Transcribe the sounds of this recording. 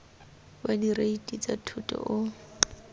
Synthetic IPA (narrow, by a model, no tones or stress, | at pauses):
badireitʼit͡sʼatʰʊtʼɔ̰ʔʊ